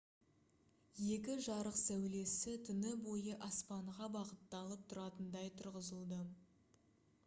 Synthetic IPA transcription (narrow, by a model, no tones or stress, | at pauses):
je̞kʲɪʒɑɾəqsæwle̞sɪt̪ʰʏnɪbo̞jəʔɑspɑɴʁɑbɑʁət̪ːɑlˠəp̚t̪ʰʊɾɑt̪ənd̪ɑjt̪ʰʊɾʁəzəlˠd̪ə